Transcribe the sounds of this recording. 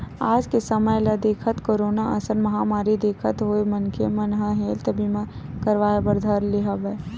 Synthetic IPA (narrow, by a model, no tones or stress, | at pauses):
aːd͡ʒkesəməjlɐd̪eːkʰət̪koːɾoːnaʔɐ̰səɾmɐɦamaːɾid̪eːkʰət̪ɦoːemɐnkʰemənɦəɦeːlt̪ɐbʱimã | kəɾʋaːebəɾd̪ʱɐɾlɪɦabə